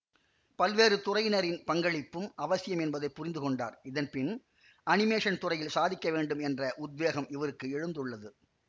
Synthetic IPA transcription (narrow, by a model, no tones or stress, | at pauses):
pɐlʋeːɾɯt̪ʊrɐjnɐɾɪnpɐŋɡɐɭɪpːɯmʔɐʋɐsɪjɐmɛnbɐðɐɪpːʊrɪnd̪ɯkɔɳɖa̰ːɾɪðɐnpɪn | ʔɐnɪmeːʂɐnt̪ʊrɐjɪlsaːðɪkːɐʋeːɳɖɯmɛndrɐʔʊd̪ʋeːɣɐmɪʋɐɾɯkːɯɛɻɯnd̪ɯɭːɐðɯ